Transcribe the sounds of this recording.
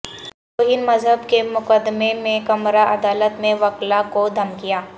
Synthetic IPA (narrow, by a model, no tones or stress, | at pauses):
oːɦɪnmɐzɦəbkemʊqəd̪memẽkɐmɾaʔɐd̪aːlət̪mẽʋɐklakod̪ʱɐmkijaː